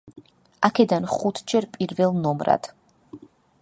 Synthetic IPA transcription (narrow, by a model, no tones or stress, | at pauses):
akʰɛd̪anχut̪ʰd͡ʒɛɾpʼiɾvɛlnɔmɾa̰d̪̥